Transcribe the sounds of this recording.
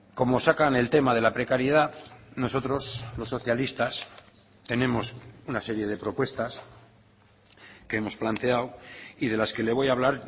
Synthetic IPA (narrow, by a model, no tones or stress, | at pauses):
ko̞mo̞sakane̞lt̪e̞maðe̞lapɾe̞kaɾjeðaðno̞so̞t̪ɾo̞zlo̞sːo̞θjalist̪as | t̪e̞nẽ̞mo̞sunase̞ɾje̞ð̞e̞pɾo̞pwe̞st̪as | keemo̞splant̪e̞awið̞e̞laske̞le̞β̞o̞jaβ̞laɾ